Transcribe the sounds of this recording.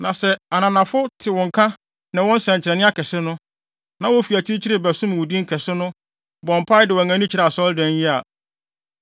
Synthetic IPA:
nã˨sɛ˨a˨nã˨nã˨fʊ˦tʰɪ˨wɔ̃˨ŋ̩˨kʰã˦ | nɪ̃˨wɔ̃˦n̩˦sɛ̃˨ɲt͡ɕʰɪ˨ɾɛ˨nɪ̃˦a˦kʰɛ˨sɪ˦nʊ̃˦ | nã˨˦wɔ˦fi˨æ˨t͡ɕʰi˦t͡ɕʰi˦ɾɪ˨bæ˨sʊ̃˦m˨ʊ˨dĩ˦ŋ̩˦kʰɛ˨sɪ˦nʊ̃˦ | bɔ̃˨m̩˨pʰa˦ɪ˦dɪ˨wɔ˨ŋã˨˦nĩ˦t͡ɕʰi˨ɾa˨a˨sɔ˦ldɛ̃˨n˦jɪ˦a˨

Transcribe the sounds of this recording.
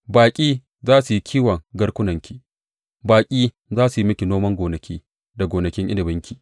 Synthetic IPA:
baː˨kʲʼiː˦ | zaː˦su˨ji˦kʰʲiː˦wɐ˨ŋɡɐ˦ɽkʷʊ˦nɐ˨ŋkʲʰiː˦ | baː˨kʲʼiː˦ | zaː˦su˨ji˦mɪ˦kʲi˨noː˦mɐ˦ŋɡʷoː˨nɐ˨kʲʰiː˦ | da˨ɡoː˨nɐ˨kʲɪ˦ŋʔɪ̰˦nɪ˨bɪ˦ŋkʲʰiː˨

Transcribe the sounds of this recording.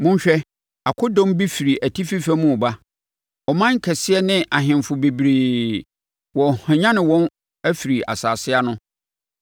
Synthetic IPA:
mʊ̃˦ɲ˦ɕᶣɛ˦ | a˨kʰʊ˦dɔ̃˦mbi˦fi˨ɾi˨ʔæ˨tʰi˦fi˦fæ˦mũ˦˨ba˦ | ɔ˨mã˦ŋ̩˨kʰɛ˨sɪ˦ɛ˦nɪ̃˦ʔa˨ɦɪ̃˨mfʊ˨be˨bɾeː˨ | wɔ̃˨hã˨ɲã˦nɪ̃˨wɔ̃˦n | æ˦fi˨ɾi˨ʔa̰˨saː˨sɪ˦a˦nʊ̃˦

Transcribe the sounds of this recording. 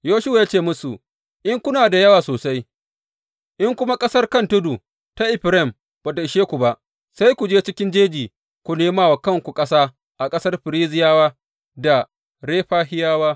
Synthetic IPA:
joː˦ʃʊ˦wa˨jaː˦t͡ʃeː˦˨mʊ˦su˨ | ʔɪ˦ŋkʷʊ˦naː˨da˨jɐ˦waː˨soː˨sa˦j | ʔɪ˦ŋkʷʊ˦ma˦kʼɐ˦sɐ˦rkɐ˦ntʊ˦du˨ | ta˦ʔɪ˨ɸɾɛ˦˨m | b̥a˨da˨ɪ˨ʃeː˦kʷu˨ba˦ʔ | sa˦jkʷu˨d͡ʒeː˦t͡ʃɪ˦kʲɪ˦nd͡ʒeː˦d͡ʒiː˨ | kʷu˨neː˦maː˦wa˨kɐ˦˨ŋkʷu˨kʼɐ˦saː˦ | ʔa˨kʼɐ˦sɐ˦rɸɪ˨ɾiː˦zɪ˨jaː˦waː˦ | da˨ | ɽeː˦ɸaː˦ɦɪ˦jaː˦waː˦

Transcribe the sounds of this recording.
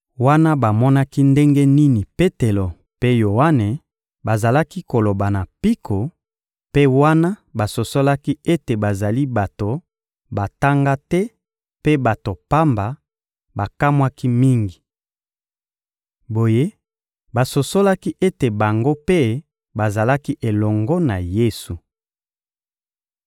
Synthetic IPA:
wa˦na˦ba˨mɔ˦na˦ki˦nde˦ŋɡe˦ni˦ni˨pe˦te˨lo˨ | pe˦jo˨wa˦ne˨ | ba˨za˨la˦ki˦ko˨lo˨ba˨na˨pi˦kʰo˨ | pe˦wa˦na˦ba˨so˨so˦la˦ki˦e˦te˨ba˨za˨li˦ba˨to˨ | ba˨ta˦ŋɡa˦tɛ˦ | pe˦ba˨to˨pa˦mba˨ | ba˨ka˦mwa˦ki˦mi˦ŋɡi˨ | bo˨je˦ | ba˨so˨so˦la˦ki˦ʔe˦te˨ba˨ŋɡo˦pe˦ | ba˨za˨la˦ki˦ʔe˨lɔ˨ŋɡɔ˦na˨je˦su˨

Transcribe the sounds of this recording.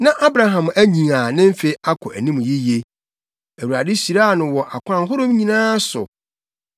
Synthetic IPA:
nã˦ʔa˦bɾa˨ɦã˨mæ˦ɲĩ˨a˨nɪ̃˦m̩˦fe˨i˦ʔa˦kʰɔ˨ʔæ˨nĩ˦m̃˨ji˦je˦ | æ˨wu˨a̰˨dɪ˦si˨ɾa˦˨nʊ̃˨wɔ˨ʔa˨kʷʊ˦ã˦ŋ̩˦ɦo˦ɾõ˦m˦ɲĩ˨nãː˦sʊ̰˨

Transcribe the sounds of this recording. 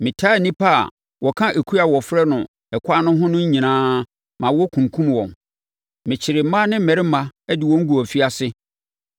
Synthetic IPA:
mɪ̃˨tʰa˦˨nĩ˦pʰa˦a̰˨ | wʔɔ˨kʰã˦ʔe˨kʰu˦a˨wɔ˨fɾɛ˦nʊ̃˨ | ɛ˨kʷʰa˦nʊ̃˦ɦʊ̃˦nʊ̃˦ɲ˦ɲĩ˨nãː˦ | mã˨wɔ˦kʰũ˨ŋ˨kʰũ˦m˨wɔ̰̃˨m | mɪ̃˨t͡ɕʰɪ˨ɾɪ˨m̩˦mã˦nɪ̃˦m̩˦mɛ˨ɾɪ˦mã˦ɛ˦dɪ˨wɔ̃˦ŋ̩˦ɡu˨ɔ˨fi˦a˦sɪ˦

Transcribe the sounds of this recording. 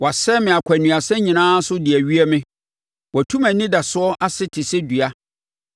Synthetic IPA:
wa˨sɛ˦mɪ̃˨a˨kʰæ˨nũ˨a˨sɛ̃˦ɲĩ˨nãː˦sʊ˦dɪ˨æ˨ɥi˦æ˦mɪ̃˦ | wɔ˨tʰũ˦mæ̃˨nɪ̃˦da˨sʊ˦ɔ˦ʔa˦sɪ˦tʰɪ˨sɪ˦du˨a˦

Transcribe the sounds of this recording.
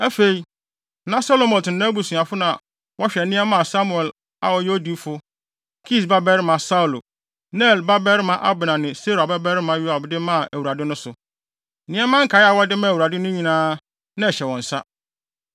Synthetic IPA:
æ˦fe˨i˦ | nã˦so˦lo˦˨mɔ̃˨tɪ˨˦nã˦bu˨sũ˨a˨fʊ˦nã˨ | wɔ˦ɕᶣɛ˨nɪ̃˦ɛ˦mã˦a˨sa˦mʊ˨ɛ˨l | a̰˨wɔ˨je˦o˦di˦fʊ˦ | kʰi˦˨s̬ba˦bɛ˦ɾmã˨sa˦u˨lo˨ | nɛ˦˨lba˦bɛ˦ɾmã˨ʔa˦bɪ˨nã˨nɪ̃˨se˦ɾa˨ba˦bɛ˦ɾmã˨ju˦a˨bdɪ˦mã˦˨ʔæ˨wu˨ɾa˨dɪ˦nʊ̃˦sʊ˨˦ | nɪ̃˦ɛ˦mã˦ŋ̩˦kʰa˨˦ɪ˦a˨wɔ˦dɪ˦mã˦˨wu˨ɾa˨dɪ˦nʊ̃˦ɲĩ˨nãː˦ | nã˦ɛ˨ɕɛ˨wɔ̃˨n̩˨sa̰˦

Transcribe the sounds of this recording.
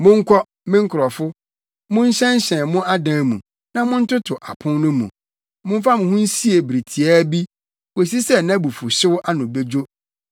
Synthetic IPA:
mʊ̃˦ŋ̩˦kʰɔ˦ | mɪ̃˦ŋ̩˦kʰɾɔ˨fʊ˦ | mʊ̃˦n̩˦ɕɛ̃˦n˦ɕɛ̃˨mʊ̃˦ʔa˦dãː˨˦mṵ̃˨ | nã˦mʊ̃˦n̩˦tʊ˦tʰʊ˨ʔa˨pʰʊ̃˦nnʊ̃˦mṵ̃˨ | mʊ̃˦m̩˦fa˦mʊ̃˨hʊ̃˦n̩˦si˦e˨bɾi˨tʰi˨a˦bi˦ | we˨s̬i˦sɛ˦˨nã˦bu˨fʊ˨ɕɪ˦wʊ˦ʔa˦nʊ̃˨be˦d͡ʑo˦

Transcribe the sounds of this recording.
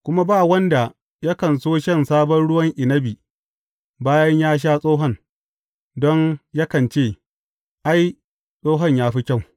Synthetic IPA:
kʷʊ˦ma˦baː˦˨wɐ˦nda˨ | jɐ˦kɐ˨nsoː˦ʃɐ˦˨nsaː˦bɔ˦nɽʊ˦wɐ˦ŋʔɪ˨nɐ˦bi˨ | baː˦jɐ˦ɲjaː˦ʃ̬aː˦sʼoː˦ɦɔ˦ŋ | dɔ˦nja˦kɐ˨nt͡ʃeː˦˨ | ʔa˦j | sʼoː˦ɦɐ˦ɲjaː˦ɸi˦kʲɐ˦˨w

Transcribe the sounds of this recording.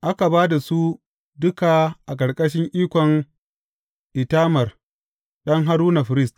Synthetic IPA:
ʔa˦ka˨baː˦da˨su˦ | dʊ˦ka˨ʔa˨k̬ʼɐ˨ɽkʼɐ˦ʃɪ˦ŋʔiː˦kʷɔ˨ŋ | ʔɪ˨taː˦mɐ˨r | ɗɐ˦ŋɦa˦ɾuː˦na˨ɸɪ˨ɾɪ˦st

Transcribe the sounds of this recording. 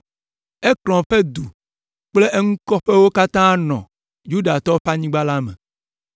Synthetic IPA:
e˦klɔ̃˨ɸe˦d̪u˨ | k͡ple˦ʔe˦ŋũ˦kɔ˦ɸe˦wo˦ka˦t̪ã˦nɔ̰̃˨ | ju˦ɖa˨t̪ɔ˦ɸa˦ɲĩ˦ɡ͡ba˦la˦mḛ̃˨

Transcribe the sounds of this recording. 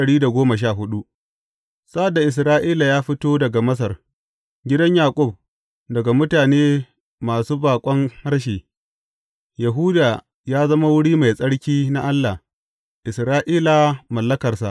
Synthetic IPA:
ɐ˨ɽiː˦da˨ɡʷoː˦mɐ˨ʃ̬aː˦˨ɦʊ˦ɗu˦ʔ | sa˦ʔa˨dːa˨ʔɪ˨s̬ɾaː˦ʔiː˦la˨jaː˦ɸɪ˦toː˦dɐ˨ɡa˨mɐ˦s̬ɐ˨r | ɡʲɪ˦dɐ˦ɲjaː˨kʷʼʊ˦˨b̚ | dɐ˨ɡa˨mʊ˦taː˨neː˦ | maː˨suː˦baː˨kʷʼɔ˦ŋha˦ɽʃ̬eː˨ | ja˨ɦʊ˦daː˨ | jaː˦zɐ˦ma˦wʊ˦ɽiː˦ma˨jsʼɐ˦ɽkʲiː˦na˦ʔa˦lːa˨ | ʔɪ˨sɾaː˦ʔiː˦la˨mɐ˨lːɐ˦kɐ˨rsa˨ʔ

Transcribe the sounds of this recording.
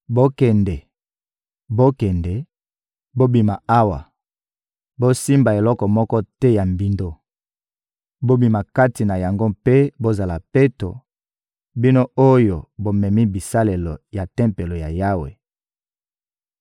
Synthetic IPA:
bo˦kɛ˨ndɛ˨ | bo˦kɛ˨ndɛ˨ | bo˦bi˨ma˨a˦wa̰˨ | bo˦si˦mba˨e˨lɔ˦kɔ˨mɔ˦kɔ˦tɛ˦ja˨mbi˦ndo˦ | bo˦bi˨ma˨ka˦ti˨na˨ja˨ŋɡo˦pe˦bo˦za˨la˨pe˦to̰˨ | bi˦no˦o˦jo˨bo˦mɛ˨mi˦bi˨sa˦le˨lo˨ja˨tɛ˦mpe˨lo˨ja˨ja˦wḛ˨

